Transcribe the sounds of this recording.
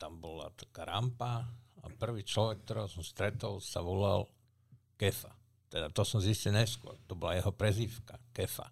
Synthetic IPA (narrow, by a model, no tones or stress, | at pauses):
t̪ambɔla̰t̪ḁkaɾampaa̰pr̩ʋiːt͡ʃlɔʋɛk̚ːt̪ɔɾɛsɔmst̪ɾɛt̪ɔlsaʋɔla̰l | kɛfa | t̪ɛd̪at̪ɔsɔmziscilɲɛskʊɔ̰ɾt̪ɔbɔlajɛɦɔpɾɛziːfkakɛfa̰